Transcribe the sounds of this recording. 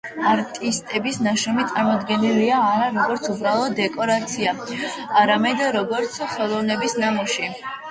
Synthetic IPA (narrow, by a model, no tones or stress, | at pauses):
aɾt̪ʼist̪ʼɛbisnaʃɔmit̪sʼaɾmɔd̪ɡɛniliaːɾaɾɔɡɔɾt̪sʰubɾalˠɔːɛkʼɔɾat̪sʰiaː | ɾamɛd̪ɾɔɡɔɾt̪sʰχɛlˠɔvnɛbisnamɔʃi